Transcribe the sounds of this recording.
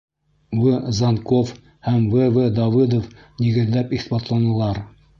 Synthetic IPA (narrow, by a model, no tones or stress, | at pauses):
wɘzɑnkof | hæmvɘvɘd̪ɑvɨd̪of | niɡɘ̆ðlæpiχbɑt̪lˠɑnɤ̆lˠɑɾ